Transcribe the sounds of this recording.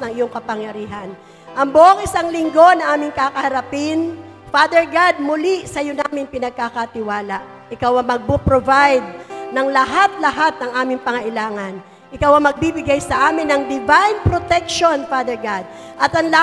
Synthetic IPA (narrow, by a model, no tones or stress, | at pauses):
nɐŋɪjoŋkɐpɐŋjɐɾiːɦɐn | ʔɐŋboʔoŋʔɪsaŋlɪŋɡo̞nɐʔaːmɪŋkakɐhɐɾɐpɪn | faːd̪ɛɹɡad̪̚mʊlisɐjonaːmɪŋpɪnɐɡ̚kakat̪ɪwaːlaʔ | ʔɪkawɐmɐɡ̚bopɾovajd̪̚nɐŋlɐɦat̪̚lɐɦat̪̚nɐŋʔaːmɪŋpɐŋɐʔɪlaːŋɐn | ʔɪkawɐmɐɡ̚bibɪɡajsɐʔaːmɪnːɐŋd̪ɪvajnpɾot̪ɛk̚ʃonfad̪ɛɹɡad̪̚ʔɐt̪ɐŋlɐ